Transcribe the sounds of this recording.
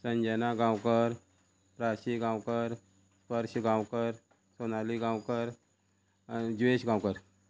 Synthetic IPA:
səɲd͡ʑənaɡãwkəɾ | pɾaɕiɡãwkəɾ | sʋəɾɕəɡãwkəɾ | sonaliɡãwkəɾ | d͡ʑʋeɕɡãwkəɾ

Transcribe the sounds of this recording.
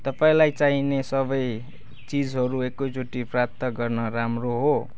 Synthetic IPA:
t̪ʌpaĩlajt͡saɦinesʌbʌj | t͡sid͡zɦʌɾuekːot͡soʈiprap̚t̪ʌɡʌrnʌɾamroɦo

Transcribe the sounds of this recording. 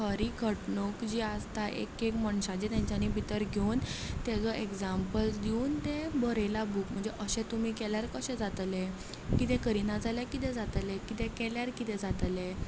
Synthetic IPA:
kəɾikʰəʈɳokd͡ʑiast̪aʔḛkekməɳɕãd͡ʑet̪jãɲt͡ɕanibʱit̪əɾɡʱeunt̪ɛd͡zɔʔekd͡zampəlsd̪iuːnt̪ẽbəɾelabukm̤əɳd͡zeʔəɕɛ̃t̪um̤ikɛljaɾkəɕɛ̃d͡zat̪le | kit̪ɛ̃kəɾinad͡zaljakit̪ɛ̃d͡zat̪lekit̪ɛkɛljaɾkit̪ɛ̃d͡zat̪le

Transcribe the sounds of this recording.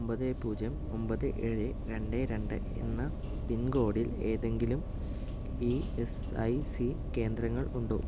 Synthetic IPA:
ombɐðepuːd͡ʑjɐm | o̞mbɐðɨʔeɻe | ɾe̞ɳɖeɾe̞ɳɖɨ̰ | ḛnːɐ | pinɡo̞ːɽile̞ːðe̞ŋɡilum | iːes | ɐ̰jsi | ke̞ːnd̪rɐŋːɐɭuɳɖo̰ː

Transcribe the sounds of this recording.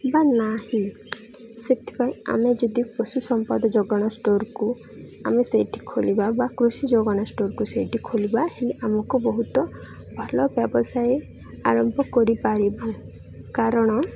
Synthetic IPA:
banahĩ | set̪ʰi̥paĩa̰med͡ʒɔd̪iposusɔmpɔd̪ɔd͡ʒɔɡɔɽ̃ɔsʈoɾku | amesejʈʰi̥kʰolibabakɾusid͡ʒoɡɔɽ̃asʈoɾkusejʈʰikʰolibaheleʔamɔkubɔɦut̪ɔ | bʱɔlɔbjɔbɔsaj | a̰ɾɔmbʱɔkɔɾipaɽiba | kaɾɔɽ̃ɔ

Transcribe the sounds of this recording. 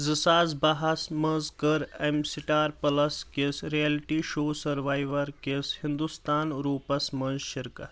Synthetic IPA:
zɨsaːzbɐɦɐsmənzkəɾɐmsiʈaːɾpɐlɐskesɾijelʈiːʃoːsɐɾʋaːjʋɐɾkeshind̪ust̪aːnɾuːpɐsmɐnzʃɪɾkɐ

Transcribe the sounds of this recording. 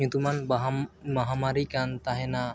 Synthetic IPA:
ɲut̪umanbaɦmaɦamaɾikant̪aɦɛna

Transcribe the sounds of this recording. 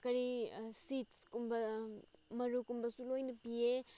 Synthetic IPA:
kɐɾisitskumbɐ | mɐɾukumbɐsulojnɐpie

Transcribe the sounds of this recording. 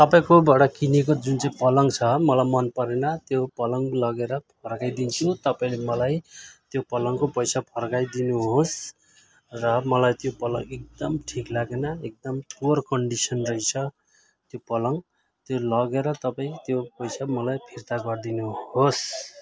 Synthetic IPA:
t̪ʌpaĩkobʌɽʌkinek̬od͡zunt͡saĩpʌlʌŋt͡sʰʌmʌlajmʌnpʌɾenʌt̪jopʌlʌŋlʌɡeɾʌpʰʌrkajd̪int͡sʰut̪ʌpaĩlemʌlajt̪jopʌlʌŋkopʌjsapʰʌrkajd̪inuɦos | rʌmʌlajt̪jopʌlʌ̰ŋɡek̚d̪ʌmʈʰiklaɡenʌek̚d̪ʌmpuʌrkʌɳɖisʌnrʌit͡sʰʌ | t̪jopʌlʌŋ | t̪jolʌɡeɾʌt̪ʌpaĩkt̪jopʌjsamʌlajpʰirt̪aɡʌrd̪inuhos

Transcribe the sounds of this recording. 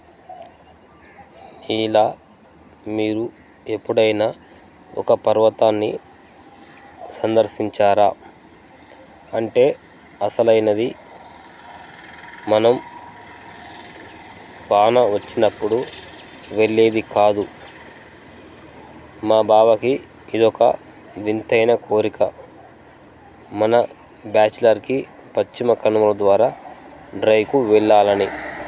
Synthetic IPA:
ilaː | miːɾu | e̞pːuɽɐjna | ɔ̰kɐpɐɾʋɐt̪aːnːḭ | sɐnd̪ɐɾʃiɲt͡ʃaːɾaː | ɐɳʈe̞ː | ɐsɐlɐjnɐd̪i | mɐnɐm | paːnɐʋɐt͡ʃːinɐpːuɽu | ʋe̞ɭːe̞ːd̪ikaːd̪u | maːbaːbɐki | id̪ɔkɐ̰ | ʋint̪ɐjnɐkʰoːɾikɐ | mɐnɐ | baːt͡ʃlɐɾki | pɐt͡ʃt͡ʃːimɐkɐnumɐlɐd̪ʋaːɾaːɖɾɐjkuʋɛɭːaːlɐni

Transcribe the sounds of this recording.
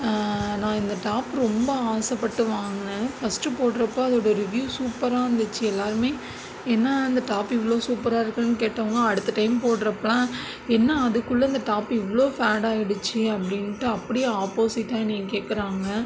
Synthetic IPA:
nãːɪnd̪ɐʈaːpɾɔmbɐaːsɐpːɐʈːɯʋaːŋɡɐfɐsʈɯpoːʈɾɐpːõːɐðoːɽɐɾɪʋjuːsuːpːɐɾaːɐnd̪ɐt͡ʃːɯɛlːaːɾɯmeː | ɛnːɐɪnd̪ɐʈaːpɪʋːɐɭoːsuːpɐɾaːɪɾɯkːɐnɯkeːʈːɐʋɐŋɡɐɐɽɯt̪ːɐʈɐɪmpoːʈɾɐpːɐlãː | ɛnːɐɐðɯkːɯɭːɐɪnd̪ɐʈaːpɪʋːɐɭoːfaːɽaːɪɽɯt͡ʃːɯɐpːɐɽɪnʈːɯɐpːɐɽɪjeaːpoːsɪʈːaːnĩːŋɡɐkeːkːɐɾaːŋɡɐ

